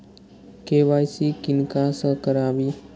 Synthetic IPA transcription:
keʋaːjsikɪnkasə̃kəɾaːʋiː

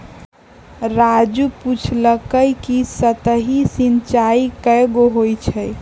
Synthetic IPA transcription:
ɾad͡ʒuput͡ʃʰləkəjkisət̪əɦisint͡ʃaikəjɡoɦojt͡ʃʰə

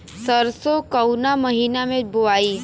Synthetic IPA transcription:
səɾsokɐwnamɐɦiːnamẽbʊaːiː

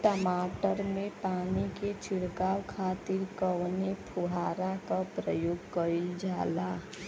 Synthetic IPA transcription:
ʈəmaːʈəɾmẽpaːniket͡ʃʰɪɽkaːwkʰaːt̪ɪɾkəwnepʰʊɦaːɾakapɾəjoːɡkəid͡ʒaːlaː

